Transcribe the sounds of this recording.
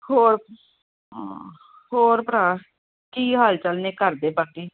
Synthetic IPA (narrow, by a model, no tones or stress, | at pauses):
hoːɾ | hoːɾpəɾaː | kiːɦaːlt͡ʃəlneːkəɾd̪eːpaːkiː